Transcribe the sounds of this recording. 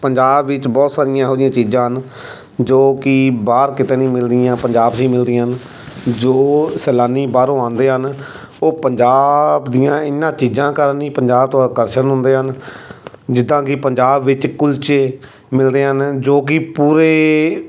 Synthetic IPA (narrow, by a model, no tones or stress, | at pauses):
pəɲd͡ʒaːbʋɪt͡ʃbɔːt̪saːɾɪjãːɦoːd̪ɪjãːt͡ʃiːd͡ʒãːɦən | d͡ʒoːkɪbaːɾkɪt̪ẽːnĩːmɪld̪ɪjãːpəɲd͡ʒaːbsĩːmɪld̪ɪãːɦən | d͡ʒoːsɛːlaːniːbaːɾõːãːnd̪eːɦən | oːpəɲd͡ʒaːbd̪ɪjãːɪnːãːt͡ʃiːd͡ʒãːkəɾənĩːpəɲd͡ʒaːbt̪õkəɾʃənɦʊnd̪eːɦən | d͡ʒɪd̪ːãːkɪpəɲd͡ʒaːbʋɪt͡ʃkʊlt͡ʃeː | mɪld̪eːɦənd͡ʒoːk̬ɪpuːɾeː